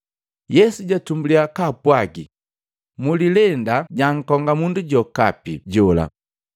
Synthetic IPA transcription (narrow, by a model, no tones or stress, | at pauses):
jɛsuɟatumbuliakapwaɡḭ | mulilɛndaɟaŋ̩kɔŋɡamunduɟɔkapḭɟɔla̰